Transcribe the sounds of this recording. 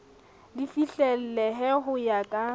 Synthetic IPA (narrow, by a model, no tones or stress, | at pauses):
lɪfiɬɛl̩lɛɦɛɦʊjakʼa